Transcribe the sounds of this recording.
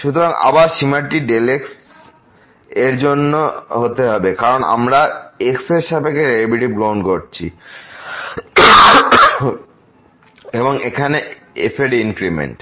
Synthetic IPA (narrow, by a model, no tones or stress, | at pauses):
ʃut̪ʰoɾaŋa̰baɾʃimaʈiɖeleks | eɾd͡ʑonːoɦot̪eɦɔbekaɾona̰mɾaekseɾʃabekeɾeebiʈibɡɾawɳɖkoɾt͡ɕʰḭ | eboŋekʰane | ḛfʰeɖiŋkɾimḛɳʈ